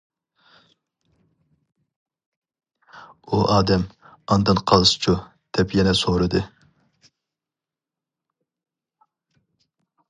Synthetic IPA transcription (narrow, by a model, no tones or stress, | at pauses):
uʔɑːd̪ɛm | ɑnd̪ɨnqʰɑlˠɨsɨ̥t͡ʃʰu | d̪̥ɛpjɛnɛsoɾɨd̪ɨ